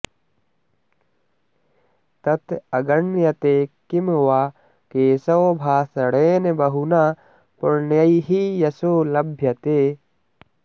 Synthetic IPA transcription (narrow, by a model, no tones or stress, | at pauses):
t̪ɐt̪ɐɡɐɳːjɐt̪eːkɪmwaː | keːsɐwbʱaːsɐɽeːnbɐɦunaː | pʊɾnjɐiɦijɐsoːlɐbʱjɐt̪eː